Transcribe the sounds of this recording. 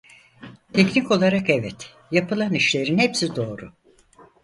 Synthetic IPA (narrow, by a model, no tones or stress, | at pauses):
t̪ʰecnico̞lˠaɾakɛvɛt̪ | japɯlˠaniʃlʲe̞ɾinhepsid̪o̞ːɾu